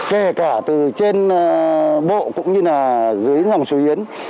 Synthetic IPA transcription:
ke˧˩kaː˧˩t̪ɨ˨˩t͡ɕe˧n | ɓo̰˧˨kʊ̰˧˥ŋ͡mɲɨ˧laː˨˩zɨ˨˦jza˨˩wŋ͡mso˨˦ʔi˨˦ən

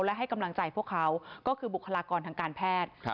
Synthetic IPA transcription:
wlɛ˦˥ɦa˥˩jka˧mla˧ŋt͡ɕa˧jpʰu˥˩əkʰa˦˥wkɔː˥˩kʰɯː˧bu˨˩kʰːa˧laː˧kɔː˧nt̪ʰaː˧kaː˧npʰɛː˥˩t̪̚

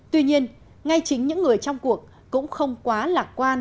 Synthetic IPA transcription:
t̪wi˧ɲi˧ən | ŋa˧jt͡ɕï˨˦ŋ̟ɲɨ̰˧˥ŋːɨ˨˩əjt͡ɕɔ˧wŋ͡mku˨˩ək̚ːʊ̰˧˥ŋ͡mxə˧wŋ͡mkwaː˨˦laː˨˩k̚kwaː˧n

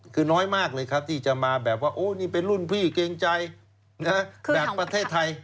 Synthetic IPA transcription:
kʰɯː˧nɔː˦˥jmaː˥˩k̚lɤː˧jkʰa˦˥p̚t̪ʰiː˥˩t͡ɕa˨maː˧bɛː˨˩p̚waː˥˩ʔoː˨˧˩niː˥˩pe˧nlu˥˩npʰiː˥˩keː˧ŋt͡ɕa˧j | na˦˥˧bɛː˨˩ppɾa˧t̪ʰeː˥˩t̪ʰːa˧j

